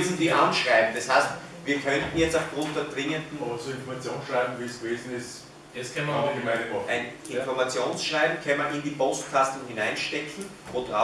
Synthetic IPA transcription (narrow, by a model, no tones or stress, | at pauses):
zn̩diːʔanʃʁaɪbm̩d̥ɑshaɪst | viːɐkʰœntn̩jɛt͡staʊfɡ̥ʁʊ̃nt̚d̥eːɐd̥ʁɪŋəndn̩ɐt͡suɪ̃nfɔɐmat͡sjoːnsʃʁaɪbm̩viːsɡ̥veːzn̩ɪs | ɛskʰɛnmɐɡmadəɔæɪnʔɪnfɔɐmat͡sjoːnsʃʁ̥aɪbm̩kʰɛnmɐnɪndiːpʰostkʰastln̩hɪnaɪnʃtɛkʰŋ̩ | ʔʊda